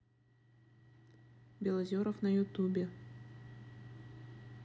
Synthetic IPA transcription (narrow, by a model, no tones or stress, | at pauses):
bʲelˠɐzʲoɾəfnɐjut̪ubʲe